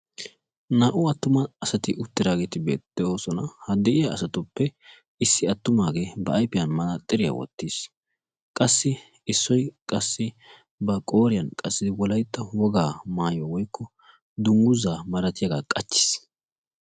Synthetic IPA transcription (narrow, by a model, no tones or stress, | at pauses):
naːʔʊɐt̪ːʊmɐːsɐt̪ɪʔʊt̪ːɪd̪aːɡeːt̪ɪbḛːt̪ːɛo̞ːsɔnɐhɐd̪ɛʔɪjaːsɐt̪ʊpːɛ | ɪsːɪɐt̪ːʊmaːɡeːbɐɐjpɪjɐnmɐnɐt̪ʼːɪɾɪja̰wɔ̰t̪ːis | kʼɐsːɪ | ɪsːɔjkʼɐsːɪ | bɐkʼo̞ːɾɪjɐnkʼɐsːɪd̪ɪwɔlɐjt̪ːɐwɔɡaːmaːjɔwɔjkʰːɔ | d̪ʊŋɡʊzaːmɐɾɐt̪ɪjɐɡaːkʼɐt͡ʃːɪ̥s